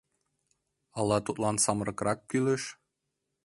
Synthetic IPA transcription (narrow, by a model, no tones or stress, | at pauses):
ɑlˠːɑt̪ut̪lˠɑnsɑmɾɤ̆kɾɑkːyleʃ